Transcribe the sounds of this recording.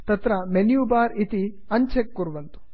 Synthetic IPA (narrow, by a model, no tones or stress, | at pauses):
t̪ɐt̪ɾɐmenjuːbaːɾit̪i | ɐɲt͡ʃekːuɾʋɐnt̪u̥